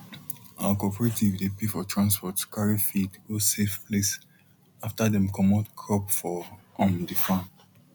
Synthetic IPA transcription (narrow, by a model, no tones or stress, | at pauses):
awakɔpɛɹetivdepefɔtʰɹãnspɔtkaɹifidosefples | aftadɛ̃mkɔmɔtkʰɹɔpfɔɔ̃mdifã